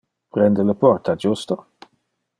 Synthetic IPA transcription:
pɾɛnd̪ələpɔrt̪ad͡ʒust̪o

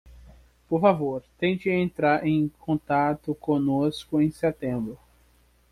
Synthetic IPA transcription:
poɾfavoɾt̪ẽj̃t͡ʃɪẽnt̪ɾaɾʔẽj̃kʰõt̪at̪ʊkõnoskʊẽj̃sɛt̪ẽmbɾʊ

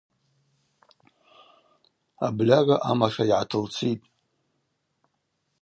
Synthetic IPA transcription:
ablʲaraʔamaʂaiʕatʰɨlt͡sʰitʼ

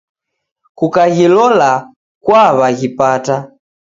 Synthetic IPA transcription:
kukaɣilɔla | kwaβaɣipata

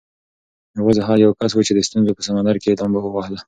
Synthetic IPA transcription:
aɣozaɦɑjawkaswut͡ʃed̪əst̪unzopəsamand̪aɾked̪ambawəwɑhla

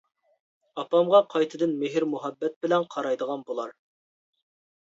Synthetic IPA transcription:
ɑpɑmʁɑqʰɑjt̪ʰɨd̪ɪnmeɦɪɾmuɦɑbːɛt̪̚bɪlɛnqʰɑɾɑjd̪əʁɑnbolˠɑɾ

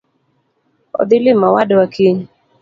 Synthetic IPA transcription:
ɔ̰d̪ɪlɪmawadwakʰiɲ

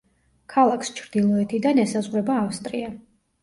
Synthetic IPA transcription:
kʰalˠakʰst͡ʃʰɾd̪̥ilˠɔɛt̪ʰid̪anɛsazʁɾɛbaːfst̪ʼɾia

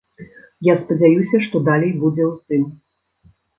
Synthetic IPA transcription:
jaspɐd͡zʲajusʲɐʂt̪ɔd̪alʲɛjbud͡zʲɛwsɨn

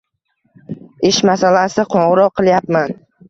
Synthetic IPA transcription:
ɪʃmasalasɪqʰɒɴʁɨɾɒqʰːɨlˠjapman

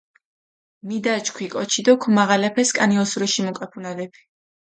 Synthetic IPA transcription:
mid̪at͡ʃkʰwikʼɔt͡ʃʰid̪ɔkʰumaʁalɛpʰɛskʼaniɔsuɾɛʃimɔkʼɛpʰunalɛpʰi̥

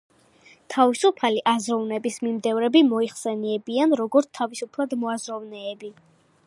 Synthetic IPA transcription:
t̪ʰavisupʰaliʔazɾɔvnɛbismimd̪ɛvɾɛbimɔiχsɛniɛbianɾɔɡɔɾt̪t̪ʰavisupʰlˠad̪mɔazɾɔvnɛːbi

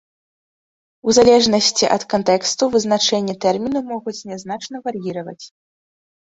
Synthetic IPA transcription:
uzalʲɛʐnɐsʲt͡sʲiʔɐt̪kant̪ɛkst̪uvɨznat͡ʂɛnʲːɛt̪ɛrmʲinumɔɣut͡sʲnʲɛznat͡ʂnɐvarjiɾɐvɐ̰t͡sʲ

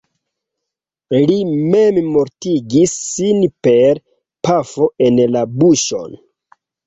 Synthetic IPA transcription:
limemmo̞ɾtiɡisːinpe̞ɾ | pafo̞ʔe̞nlabuʃo̞̰n

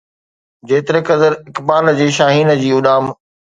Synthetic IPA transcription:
d͡ʑeːt̪ɪɾekɐzəɾɪkbaːld͡ʑeːʃaːɦiːnə̆d͡ʑiːʊɗaːm

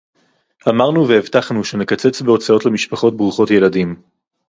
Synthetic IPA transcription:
ʔamaʁnuveevtaχnuʃe̞nekat͡se̞t͡sbeo̞t͡sao̞tlemiʃpaχo̞t̚bʁuχo̞tje̞ladim

